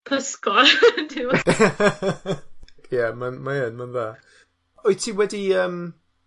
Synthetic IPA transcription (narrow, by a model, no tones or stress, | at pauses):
pʰəskɔldɪw | jamanmaənmanvaː | ɔjtʰiːwɛdiəːm